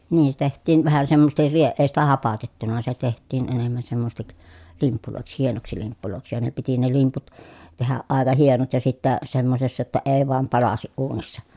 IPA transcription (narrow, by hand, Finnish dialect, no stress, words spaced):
niːn se tehtˑiːn ʋæhæ semːosestir rie eˑi sitæ hɑpɑtetːunɑ se tehtˑiːn enemːæn semːosĕs̆tik limpːuloˑiks hienoksi limpːuloˑiksi jɑ ne piti ne limput tehæʔ ʔɑˑekɑ hienot jɑ sitːæ semːosesːɑ jotːɑ eː ʋoɑm pɑlɑsiʔ ʔuːnisːɑ